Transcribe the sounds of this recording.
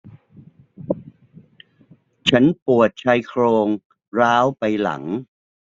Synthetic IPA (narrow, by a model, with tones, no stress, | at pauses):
t͡ɕʰa˦˥npu˨˩ət̪̚t͡ɕʰa˦˥jkʰɾoː˧ŋ | ɾaː˦˥wpa˧jla̰˩˦ŋ